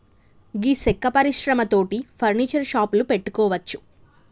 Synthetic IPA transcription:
ɡisekːɐpɐɾiʃɾɐmɐt̪o̞ːʈipʰɐɾniːt͡ʃɐɾʃaːplupeʈːu̥kɔːʋɐt͡ʃːu̥

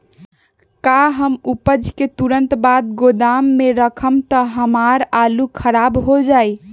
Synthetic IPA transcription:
kaɦəmupəd͡ʒʱket̪uɾənt̪bad̪̚ɡod̪amːeɾəkʰəmt̪əɦəmaɾalukʰəɾabɦod͡ʒaj

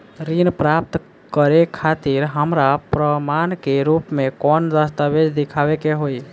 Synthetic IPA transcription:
ɾinpɾap̚t̪ | kəɾekʰat̪iɾɦəmɾapɾəmankeɾupmekɔnd̪əst̪abed͡ʒd̪ikʰaʋekeɦoi

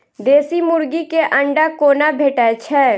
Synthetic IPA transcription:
d̪eːsimʊɾɡikeʔɐ̃ɳɖakoːnabʱeːʈat͡ʃʰɛː

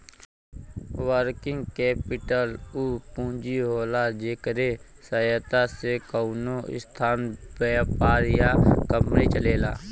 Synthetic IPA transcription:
wəɾkɪ̃ŋɡkɛːpɪʈəluːpũːd͡ʒiɦoːlad͡ʒeːkəɾe | səət̪asekəʊnoɪ̰st̪ʰaːnbɛːpaːɾjakəmɾit͡ʃəleːlaː

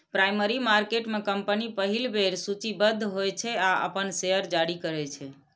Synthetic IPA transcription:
pɾajməɾimaɾkeʈmekəmpənipəɦilbʱeɾsut͡ʃibəd̪ʱːɦojt͡ʃʰɛaə̰pənseəɾd͡ʒaɽikəɾɛt͡ʃʰɛ

